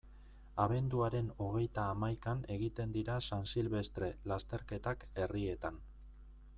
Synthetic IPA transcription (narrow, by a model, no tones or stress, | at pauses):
aβe̞nd̪uaɾe̞no̞ɣ̞e̞jt̪aːmajkane̞ɣit̪e̞nd̪iɾasansilβe̞st̪ɾe̞last̪e̞ɾke̞t̪ake̞rie̞t̪an